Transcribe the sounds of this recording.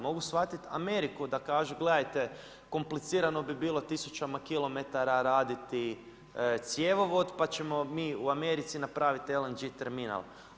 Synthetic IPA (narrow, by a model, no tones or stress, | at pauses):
mo̞ɡusʋat̪it̪a̰me̞ɾikud̪akaːʒuɡle̞d̪ajt̪e̞ | ko̞mplit̪siːɾano̞bibiːlˠo̞t̪isut͡ʃamakilo̞me̞t̪aɾaɾaːd̪it̪i | t̪sje̞ʋo̞ʋo̞d̪pat͡ɕe̞mo̞miːuame̞ɾit̪sinapɾaːʋit̪elend͡ʒit̪eɾmina̰lˠ